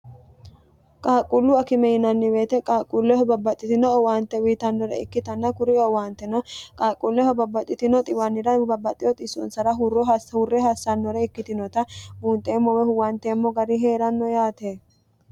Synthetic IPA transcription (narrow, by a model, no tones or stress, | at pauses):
kʼaːkʼːʊlːʊɐkɪmɛjɪnɐnːɪbe̞ːt̪ɛkʼaːkʼːʊlːɛhɔbɐbɐt̪ʼːɪt̪ɪnɔɔwaːnt̪ːɛwiːt̪ɐnːɔɾɛ̰ɪ̰kːɪt̪ɐnːɐkʊɾɪɔwaːnt̪ːɛnɔkʼaːkʼulːɛhɔbɐbːɐt̪ʼːɪt̪ɪnɔt̪ʼɪwɐnːɪɾɐbɐbːɐt̪ʼːɪjɔt̪ʼɪsɔ̰nsɐɾɐɦʊrːɔɦɐhʊrːɛɦɐsːɐnːɔɾɛɪkːɪt̪ɪnɔt̪ɐbuːnt̪ʼeːmːɔwɛhʊwant̪eːmːɔɡɐɾɪɦe̞ːɾɐnːɔjaːt̪eː